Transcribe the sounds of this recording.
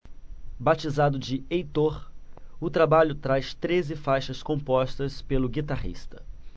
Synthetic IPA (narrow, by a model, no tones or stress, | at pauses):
bat͡ʃizad̪ʊd͡ʒɪejt̪oɾʊt̪ɾabaʎʊt̪ɾajst̪ɾezɪfajʃɐskõpɔst̪ɐspelʊɡit̪aɦḭst̪ɐ̥